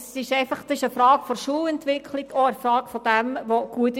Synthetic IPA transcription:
sɪʃɛɪfɑχd̥ɑsɪʃəfɾɑːɡfɔrʃuːlɛntʋɪkʰlɪɡ̥ɔəfɾɑːɡ̥fɔd̥ɛmʋoɡ̥uət̪

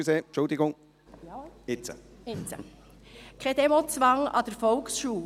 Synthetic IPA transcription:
seːt͡ʃʊld̪ɪɡʊŋ | ɪt͡sə̰ɪt͡sə̰ | kʰɛd̥̪ɛmot͡sʋɑŋɑ̰d̥̪əɾfɔlksʃuː

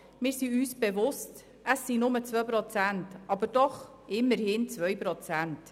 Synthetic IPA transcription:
mɪːɾsiyːsb̥evʊst | əsːinʊmət͡sʋœpɾɔt͡sæntɑbəɾd̥ɔχ | ʔɪmːəɾhɪnt͡sʋœʏpɾɔt͡sænt

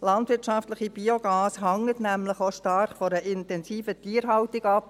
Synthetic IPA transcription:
lɑndʋɪtt͡ʃɑftlɪχib̥ioɡ̥ɑːsɦɑŋətnæmlɪχoʃtɑrχfɔɾəʔɪntɛnsiːfətiːəɾɦɑltɪɡɑp̚

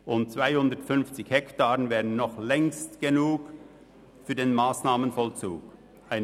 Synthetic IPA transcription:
ʔʊnt̚t͡sv̥aɪhʊndətfʏnft͡sɪçhɛktaːʁənvɛːʁənːɔχlɛŋstɡ̥enuːk | fyːɐdeːnmaːsnaːmənfɔlt͡sṵːk | ʔaɪn

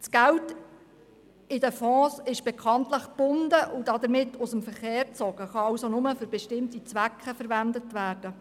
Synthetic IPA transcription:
sɡ̥ælt | ɪdəfɔ̃ːsɪʃb̥ɛkχɑntləχb̥ʊndəʔʊd̥ɑd̪əɾmɪtːʊsəmfəɾχeːɾt͡sɔɡ̥əχɑɑwsonʊməfɵɾbɛʃtɪmtit͡sʋækʰχəfəɾʋændətʋæːɾd̥ə

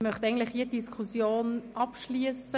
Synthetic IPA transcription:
mœχt̪ɛɪɡn̩dlɪχhiəd̥iskʰusjoːnʔɑpʃliəsə

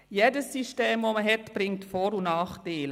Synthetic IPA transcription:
jedəsːiʃteːmvoməɦɛtb̥ɾɪŋtfɔːɾunɑːχteːl

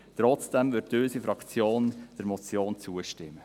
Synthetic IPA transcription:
t̪ɾɔt͡sd̥ɛmʋʏtøːsifɾɑkt͡sjoːnd̥ɛɾmɔt͡sjoːnt͡suəʃtɪmːə

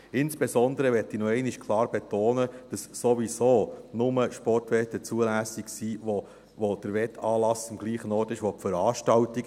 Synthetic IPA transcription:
ɪnsb̥esɔnd̪əɾəʋɛtːinɔɛɪniʃkʰlˠɑːɾbet̪oːnəd̥ɑsːoʋisoːnʊməʃpɔrtʋɛtːət͡suəlæsiksiʋo | ʋod̥əɾʋɛtɑːlɑsɑmɡ̥liːχənɔːrtɪʃʋɔpfəɾɑːʃtɑltik

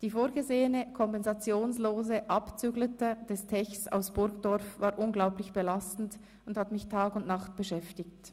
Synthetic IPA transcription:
d̥iːfoːʁɡəzeːənəkʰɔmpɛnzat͡sjoːnsloːzəʔapt͡syːɡlətəd̥ɛstʰɛçsa̰ʊsb̥ʊɾkd̥ɔʁfvaːɐʔʊnɡlaʊplɪçb̥əlastn̩t | ʊndhatmɪçtʰaːkʊntnaχt̚b̥əʃɛftɪkt

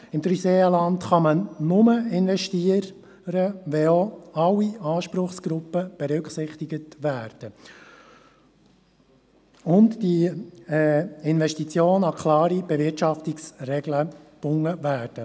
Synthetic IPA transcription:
ɪmt̪ɾyseːəlɑntχɑmənnʊməɪnvɛʃtiəɾ | ɾəʋɛoɑwiɑːʃpɾʊχsɡ̥ɾʊpːəb̥ɛɾʏksɪχt̪ɪɡətʋæːɾd̥ə | ʊntdi | ɪnvɛʃtit͡sjoːnɑkʰlɑːɾib̥ɛʋɪrtʃɑftɪksrɛɡləb̥ʊŋːəvæːɾd̥ə

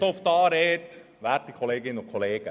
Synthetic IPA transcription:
oft̪ɑːɾeːt | ʋætikʰoleːɡɪnənʊkʰoleːɡ̥ə

